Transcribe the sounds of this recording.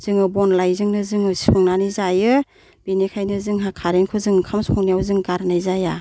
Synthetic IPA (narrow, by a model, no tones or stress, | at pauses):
z̥ɯŋɯbɔnlajzɯŋnɯzɯŋɯsɔŋnanizajɯ | binikʰajnɯzɯŋɦakʰaɾeŋkʰɯzɯŋkʰamsɔŋnijawzɯŋɡaɾnajzaja